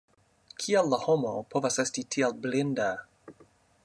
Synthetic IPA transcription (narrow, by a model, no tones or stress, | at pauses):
kʰialːahomopʰo̞vase̞stitʰialblinda